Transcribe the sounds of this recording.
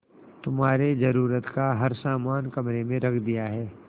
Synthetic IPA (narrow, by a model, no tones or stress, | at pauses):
t̪ʊmɦaːɾed͡ʒɐɾuːɾət̪kaɦɐɾsaːmaːnkɐmɾemẽɾɐkʰd̪ijaɦɛː